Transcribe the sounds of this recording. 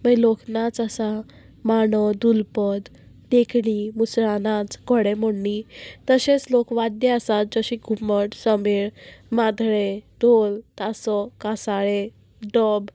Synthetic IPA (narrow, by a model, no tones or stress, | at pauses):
məloknat͡səsa | maɳɔd̪ulpəd̪ | d̪ekʰɳimusɾanat͡sɡɔɽeməɳːit̪əɕet͡slokʋad̪jəəsat̪̚d͡zəɕiɡʱuməʈsəmeɭmad̪ʱɭed̪ʱolt̪asɔkasaɭe | ɖɔb